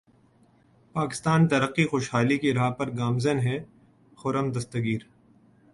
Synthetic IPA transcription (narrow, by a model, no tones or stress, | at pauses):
paːkɪ̥st̪aːnt̪ɐɾəqːixoːʃhaːlikiɾaːɦpɐɾɡaːmzənɦɛ | xʊɾəmd̪ɐst̪əɡiːɾ